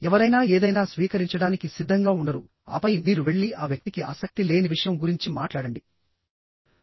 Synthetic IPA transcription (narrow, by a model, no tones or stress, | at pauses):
ɛʋɐɾɐjnaːeːd̪ɐjnaːsʋiːkɐɾiɲt͡ʃɐɽaːnikisid̪ʱːɐŋɡaːuɳɖɐɾu | a̰ːpɐjmiːɾuʋe̞ɭːiʔaːʋjɐk̚t̪ikiʔɐ̰sɐk̚t̪ile̞ːniʋiʂɐjɐmɡuɾiɲt͡ʃimaːʈlaːɽɐɳɖi